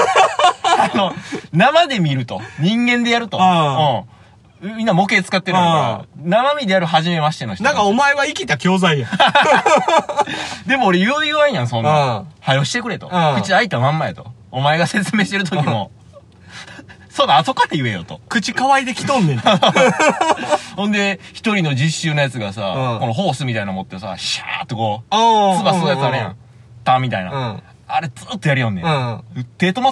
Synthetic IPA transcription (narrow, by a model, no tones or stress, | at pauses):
ano̞namad̪e̞mʲiɾɯ̟t̪o̞̰ɲ̟ĩŋɡẽ̞nd̪e̞jaɾɯ̟t̪o̞õː | mʲĩnːamo̞ke̞t͡sɨ̥kat̪ːeɯo̰namamʲid̪e̞jaɾɯ̟ɦaʑime̞maɕi̥t̪enoi̥td̪ãŋkao̞maeβaikʲit̪akʲo̞ːzaijã | d̪e̞mo̞ːɾe̞jɯjɯβaĩjãsõ̞nahajo̞ɕi̥t̪e̞kɯ̟ɾe̞t̪o̞̰kɯ̟t͡ɕiait̪ːmãmːaet̪o̞̰ | omae̞ɡase̞t͡sɨmeːɕi̥t̪eɾɯ̟t̪o̞kkʲimo̞ | soːnaːt̪o̞kad̪ejɯ̟e̞jo̰t̪o̞kɯ̟t͡ɕikaβaid̪e̞kʲi̥t̪õ̞nːẽ | hõnd̪e̞çi̥t̪o̞ɾʲino̞d͡ʑiɕːɨːnajat͡sɨɡasa̰ko̞no̞ɦo̞ːsɨmʲit̪ainamo̞t̪ːesa̰ɕa̰t̪ːoko̞ːsɨbaɨnojasɨaɾejã̰ | t̪ãmːʲit̪aina̰ | aɾe̞d͡zɨːt̪ːo̞jaɾijõnd̪ẽt̪e̞ːt̪o̞ma